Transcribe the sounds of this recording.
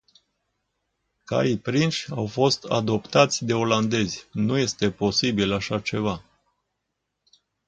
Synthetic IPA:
ka̰ipɾinʃʲawfo̞st̪a̰d̪o̞pt̪at̪sʲd̪e̞o̞land̪e̞zʲnuje̞st̪e̞po̞sibilaʃat͡ʃe̞va

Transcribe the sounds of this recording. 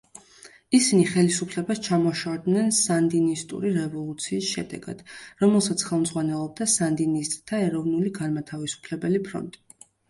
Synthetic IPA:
isiniχɛlisupʰlɛbast͡ʃʰamɔʃad̪nɛnsand̪inist̪ʼṵɾiɾɛvɔlˠut̪sʰiːsʃɛ̰d̪ɛ̰ɡa̰d̪̥ɾɔmɛlˠsat̪sʰχɛlˠmd̪zʁwanɛlˠɔb̚d̪asand̪inist̪ʼt̪ʰːaɛɾɔvnuliɡanmat̪ʰavisu̥pʰlɛbɛlipʰɾɔ̰nt̪ʼi̥

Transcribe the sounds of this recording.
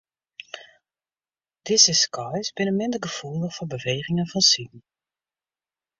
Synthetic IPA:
d̥ɪzəskʰɔjsbɪnəmɪndəɡəfulˠdəxfɔbəʋeːχɪŋənfɑnsin̩

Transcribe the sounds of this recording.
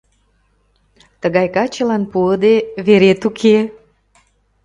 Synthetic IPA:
t̪əɣɑjkɑt͡ɕəlɑnpuəd̪eβeɾet̪ukʰe

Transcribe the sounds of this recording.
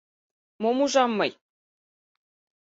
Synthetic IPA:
momuʐɑmːɤ̆j

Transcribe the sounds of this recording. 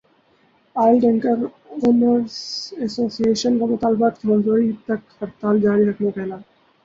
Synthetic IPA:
aːɪlɖɛ̃ŋkəɾ | oːnəɾsɛsoːsieːʃənkamʊt̪aːlbaːt̪kimɐ̃nzoːɾit̪ɐkhɐɾt̪aːld͡ʒaːɾiɾɐkmepɛɦlaː

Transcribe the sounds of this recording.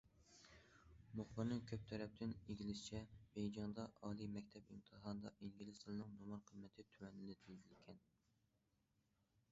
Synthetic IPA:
moχlɨɾnɨkʲʰøp̚t̪ʰɛɾɛp̚t̪ʰɪneɡʲlɪst͡ʃʰɛbejd͡ʒɑŋd̪ɑʔɑːlˠimɛkʲt̪ʰɛbɨmt̪ʰɨɦɑnd̪ɑʔiŋɡʲilɨst̪ʰɨlˠɨnɨŋnomɑɾqʰəmːɛt̪ʰɪt̪ʰywɛnɪlɛt̪ʰyzylkʲʰɛn

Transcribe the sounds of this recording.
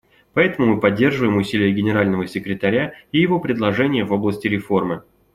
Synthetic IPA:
pɐɛt̪əmʊmɨpɐdʲːe̞rʐɨvəjɪmʊsʲilʲɪjəɡʲɪnʲɪɾalʲnəvəsʲɪkɾʲɪt̪ɐɾʲaijɪvo̞pɾʲɪd̪lˠɐʐɛnʲɪjəvo̞blˠəsʲtʲɪɾʲɪfo̞rmɨ

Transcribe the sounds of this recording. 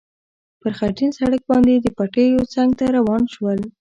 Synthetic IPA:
pəɾxaʈinsaɽək̚bɑnd̪ed̪əpaʈejot͡saŋɡ̚t̪aɾawɑnʃwəl

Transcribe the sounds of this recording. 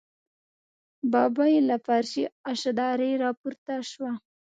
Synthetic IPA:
bɑbajelafaɾʃiaʃad̪ɑɾejɾɑpuɾt̪aʃwa

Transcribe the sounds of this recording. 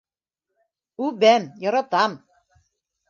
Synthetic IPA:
ʉbæmjɒɾɑt̪ɑm

